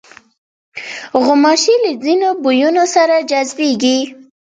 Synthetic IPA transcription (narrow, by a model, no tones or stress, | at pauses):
ɣʊmɑʃiləzinobujunosaɾad͡ʒazbeɡi